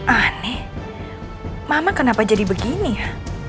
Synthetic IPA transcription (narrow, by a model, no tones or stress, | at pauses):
ʔanɛh | mamakənapad͡ʒadibəɡinija